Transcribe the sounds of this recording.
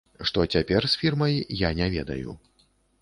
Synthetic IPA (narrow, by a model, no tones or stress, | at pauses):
ʂt̪ɔt͡sʲapʲɛrsʲfʲirmɐjjanʲɛvʲɛd̪ɐ̰jṵ